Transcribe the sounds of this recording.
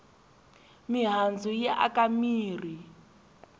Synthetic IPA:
miɦand͡zujɛʔa̰kamiːr̤i

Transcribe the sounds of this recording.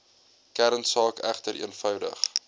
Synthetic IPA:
kæɾənsɑːkæχtəɾʔḭənfœwdə̰χ

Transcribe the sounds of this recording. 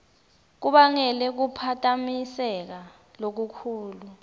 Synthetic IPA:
k̬uɓaŋɛlɛk̬upʰatʼamisɛk̬a | lok̬ukʰuːlu

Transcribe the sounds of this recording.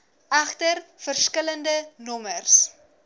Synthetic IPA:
ɐχtərfərskələndənɔmərs

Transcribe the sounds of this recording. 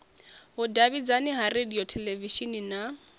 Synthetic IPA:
ʊdabid͡zanɪɦarediɔtʰɛlɛviʃinina

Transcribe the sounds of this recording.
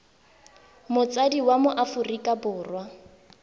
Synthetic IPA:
mʊt͡sʼadiwamʊʔafʊrikʼabʊːrwa

